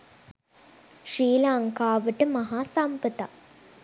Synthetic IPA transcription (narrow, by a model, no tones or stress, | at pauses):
ʃiːlaŋkaːʋəʈəmɐɦaːsampət̪a